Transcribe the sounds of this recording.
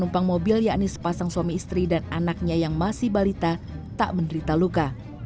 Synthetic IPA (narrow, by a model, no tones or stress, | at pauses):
numpaŋmobiljaʔnɪsə̥pasaŋsuwamiːst̪ɾidananak̚ɲajaŋmasɪhbalit̪at̪aʔbəndəɾit̪aluka